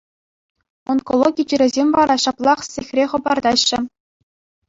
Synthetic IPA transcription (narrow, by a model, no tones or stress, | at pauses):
onkolˠoɡʲid͡ʑiɾʲɘ̆zʲemʲvɑɾɑɕɑplˠɑχsʲexʲrʲeχɤ̆bɑrd̪ɑɕːɘ̆